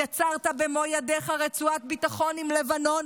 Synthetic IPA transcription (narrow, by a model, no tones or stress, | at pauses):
jat͡saʁt̪abemo̞jadeχaʁet͡suat̪̚bit̪aχo̞nimle̞vano̞n